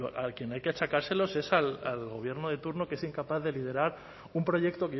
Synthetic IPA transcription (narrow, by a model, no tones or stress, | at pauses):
oakje̞najkeat͡ʃakaɾse̞lo̞se̞sala̰lɣo̞β̞je̞ɾnoð̞e̞t̪uɾno̞kee̞siŋkapaθðe̞lið̞e̞ɾaɾ | umpɾo̞ʝe̞k̚t̪o̞ke